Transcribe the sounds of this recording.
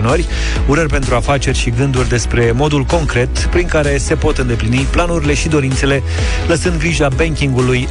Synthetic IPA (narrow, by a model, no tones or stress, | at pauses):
norʲ | uɾərʲpe̞nt̪ɾuafat͡ʃe̞rʲʃiɡɨnd̪urʲd̪e̞spɾe̞mo̞d̪ulko̞ŋkɾe̞t̪pɾiŋkaɾe̞se̞po̞t̪ɨnd̪e̞pliniplanuɾʲile̞ʃid̪o̞ɾint̪se̞le̞ | ləsɨnd̪̚ɡɾiʒabeŋkʲiŋɡuluj